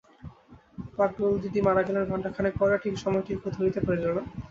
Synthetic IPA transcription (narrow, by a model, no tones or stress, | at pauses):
pak̚ɡold̪iʈ̪imaɾakeleɾbʱaɳʈakʰanepɔjɾaʈʰikʃɔmɔjʈikʰod̪ʱɦoɾijt̪epaɾed͡ʑona